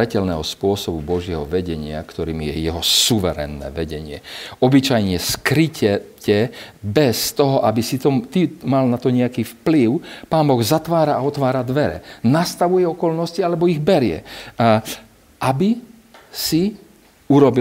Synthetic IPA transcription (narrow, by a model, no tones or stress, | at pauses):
ɛcɛlnɛːɦɔspʊɔsɔbubɔʒɪɛɦɔ̰ʋɛɟɛɲɪa̰kt̪ɔɾiːmjɛ̰jɛɦɔsuʋɛɾɛ̰nːɛ̰ːʋɛɟɛɲɪɛ̰ɔbit͡ʃajɲɛskɾicɛcɛbɛst̪ɔɦɔʔabisit̪ɔt̪imalnat̪ɔɲɛakiːfpliʊpaːnbɔɣzat̪ʋaːɾaːɔt̪ʋaːɾad̪ʋɛɾɛ̰nast̪aʋujɛɔkɔlnɔscialɛbɔiɣbɛɾɪɛ̰ | ʔabi | si | uɾɔbi